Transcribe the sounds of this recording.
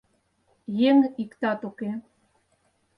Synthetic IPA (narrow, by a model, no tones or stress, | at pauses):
jeŋikt̪ɑt̪uke